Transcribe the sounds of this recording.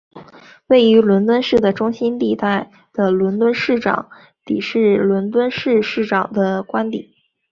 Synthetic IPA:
we˥˩ɪy˧˥lwə˧˥nt̪wə˥nʂɻ̩˥˩d̪ə˩ʈ͡ʂʊ˥ŋɕi˥nt̪i˥˧t̪a˥˩ɪ | d̪̥ə˩lwə˧˥nt̪wə˥nʂɻ̩˥˩ʈ͡ʂɑ̰˨˩˦ŋ | t̪i˨˩ʂɻ̩˥˩lwə˧˥nt̪wə˥nʂɻ̩˥˧ʂɻ̩˥˩ʈ͡ʂɑ˨˩ŋd̪ə˦kwa˥nt̪i˨˩˦

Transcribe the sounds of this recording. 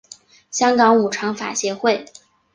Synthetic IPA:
ɕjɑ˥ŋkɑ˧˥ŋu˨˩ʈ͡ʂʰɑ˧˥ŋfa̰˨˩ɕjɛ˧˥xwe˥˩ɪ

